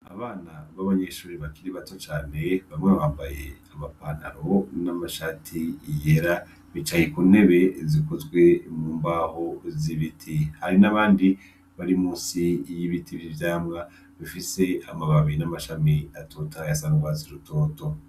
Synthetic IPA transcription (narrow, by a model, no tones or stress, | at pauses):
a̰βaːnaβaβaɲe̞ʃuːɾiβakiɾiβato̞t͡ʃaːne̞βamŋeβaːmbaje̞̰amapaːn̥aɾo̞namaʃaːtʰijeɾa | βit͡ʃajekune̞βe̞zikozɡwe̞muːmbaho̞ziβitʰihaɾinaβaːndi | βaɾimuːnsijiβitʰivivjaːmɡa | βifise̞amaβaβinamaʃamiatoːtajasaŋɡwaziɾuto̞ːto̞